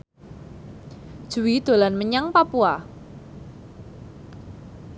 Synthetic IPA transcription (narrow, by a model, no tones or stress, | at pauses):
d̥ʒ̥uwid̪̥o̤lanməɲaŋpapua